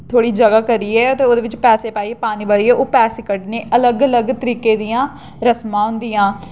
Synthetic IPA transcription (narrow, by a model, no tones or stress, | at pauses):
t̪ʰoːɽiːd͡ʒəɡaːkəɾiːɛːt̪eːoːd̪eːʋɪt͡ʃpɛːseːpaːiːɛːpaːniːbəɭiːɛːʔoːpɛːsekəɖneːʔələɡələɡt̪əɾiːkeːd̪ɪjãː | ɾəsmãːɦʊ̃nd̪ɪjãː